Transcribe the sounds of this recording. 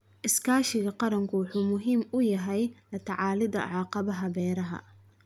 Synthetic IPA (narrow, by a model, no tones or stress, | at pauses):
ʔɪskʰaːʃɪɣɐqɑɾɐŋkʰʊwʊħuːmʊɦiːmʊjɐɦɛjlɐt̪ʰɐʕɑːlɪðɐ̰ʕɑːqɑβɐɦɐβɛːɾɐɦɐ̰